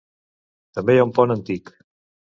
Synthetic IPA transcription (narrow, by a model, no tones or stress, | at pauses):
t̪əmbejaumpɔnənt̪ik